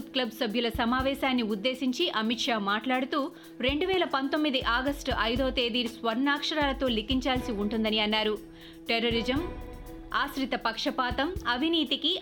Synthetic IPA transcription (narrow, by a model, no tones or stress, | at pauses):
t̪klɐbsɐbʱjulɐsɐmaːʋɛːʃaːnːiud̪ːe̞ːsiɲt͡ʃiʔɐmiʈʂaːmaːʈlaːɽut̪uː | ɾe̞ɳɖuʋɛːlɐpɐnt̪o̞mːid̪iʔaːɡɐsʈʔɐjd̪ɐʋɐt̪eːd̪iːɾsʋɐɾnaːkʂɐɾaːlɐt̪o̞ːlikiɲt͡ʃaːlsiuɳʈund̪ɐniɐnːaːɾu | ʈeɾoːɾid͡ʒɐm | aːsɾit̪ɐpɐkʂɐpaːt̪ɐmɐbʱiniːt̪iki